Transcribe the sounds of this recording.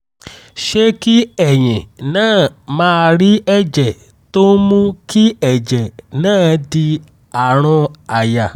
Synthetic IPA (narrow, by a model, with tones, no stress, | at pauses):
ʃe˦ki˦ɛ˨j̃ĩ˨nãː˦˨mãː˧˦˧ɾi˦ɛ˦˨d͡ʒɛ˨ | to˦mũ˦ki˦ɛ˨d͡ʒɛ˨nãː˦˨di˧ | a˨ɾ̃ɔ̃˧a˨ja˨